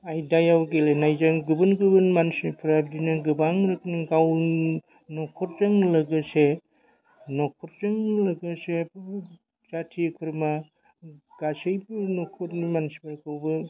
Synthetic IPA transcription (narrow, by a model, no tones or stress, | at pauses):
ajdajawɡelenajzaŋɡɯbɯnɡɯbɯnmansipʰɾab̚dinɯɡɯbaŋɾɯkniɡaw | nɔkʰɔɾ̚zaŋlɐɡɐse | nɔkʰɔɾzaŋlɐɡɐse | z̥atʰikʰɯɾma | ɡ̥asɯjbnɔkʰɔtimansibaɾkɯwbɯ